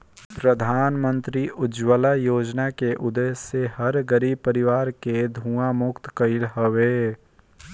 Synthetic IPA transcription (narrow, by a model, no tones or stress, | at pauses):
pɾəd̪ʱaːnmə̃nt̪ɾiʔʊd͡ʒwəlajoːd͡ʒnakeʔʊd̪eːsehɐɾɡəɾiːb̚pəɾɪʋaːɾked̪ʱuːãmʊkt̪kəɪlɦəʋeː